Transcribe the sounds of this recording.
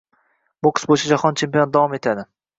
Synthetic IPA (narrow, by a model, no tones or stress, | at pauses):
bʊkʰɨ̥sbojt͡ʃʰad͡ʒahɒnt͡ʃʰe̞mpijond̪avɒme̞t̪ʰad̪ɪ